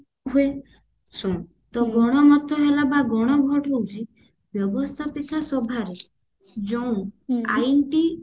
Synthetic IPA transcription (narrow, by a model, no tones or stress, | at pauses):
ɦue | sɔ̃ | t̪ɔɡɔɽ̃ɔmɔt̪ʰɔɦelabaɡɔɽ̃ɔbʱɔʈoũt͡ʃʰi | bjɔbɔst̪ʰapit̪ɔsɔbʱaɾe | d͡ʒɔũajʈi